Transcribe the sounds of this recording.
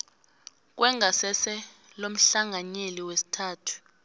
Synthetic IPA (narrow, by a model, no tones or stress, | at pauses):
k̬ʼwɛŋɡʱasɛsɛ | lom̩ɬaŋʱaɲeliwesi̥tʰaːtʰu̥